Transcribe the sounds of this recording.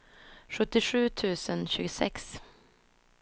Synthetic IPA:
ɧɵt̪ːɪɧʉ̟ːt̪ʰʉ̟ːsənɕʉːɡəsɛ̰ks

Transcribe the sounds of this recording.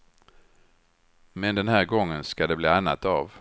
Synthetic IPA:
mɛnd̪ɛnɦæːɾɡɔŋːənskad̪ɛbliːanːat̪av

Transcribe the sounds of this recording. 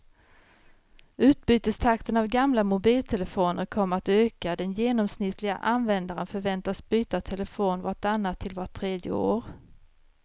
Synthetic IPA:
ʉ̟ːt̪̚byːt̪əst̪ʰakt̪ənavɡamlamʊbiːlt̪ʰɛləfoːnəɾkʰɔmːəɾat̪øːkad̪ɛnjeːnɔmsnɪt̪ːlɪɡa̰ʔanvɛnd̪aɾənfœɾvɛnt̪asbyːt̪at̪ʰɛləfoːnvaʈanːat̪ʰːɪlvaʈʰːɾeːd̪jə̰o̰ːɾ

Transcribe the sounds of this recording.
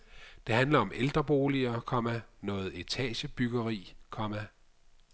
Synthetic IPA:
d̥e̝ɦænlɐɒ̽mʔeld̥ʁɐb̥o̝ːliɐkʰɒ̽mænɔ̽ːð̩ˠe̝t͡sʰɛ̰ːɕəb̥yɡ̥ɐʁḭːkʰɒ̽mæ

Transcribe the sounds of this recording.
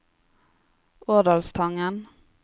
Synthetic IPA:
oːd̪ɑlst̪ʰɑŋən

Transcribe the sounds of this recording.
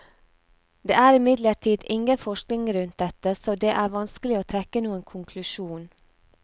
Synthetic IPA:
d̪eːæːɾɪmɪd̪ləʈʰiːd̪ɪŋɡənfɔʃknɪŋɾʉnt̪̚d̪ɛt̪əsoːd̪eːʔæːʋɑnskəlɪoːt̪ʰɾɛkənuːənkʰʊŋkʰlʉʃuːn

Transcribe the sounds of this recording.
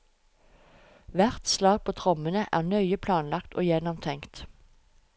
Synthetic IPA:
ʋæʁt̪slɑːɡ̚pʰoːt̪ʰʁɔmənəʔæ̰ːʁnœʏəpʰlɑːnlɑkt̪ʰʔo̰ːjɛnɔmt̪ʰɛŋkt̪

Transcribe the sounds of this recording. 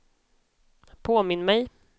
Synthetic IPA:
pʰoːmɪnːmɛj

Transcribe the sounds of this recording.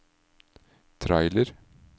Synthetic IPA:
t̪ʰɾɑ̰ɪləɾ

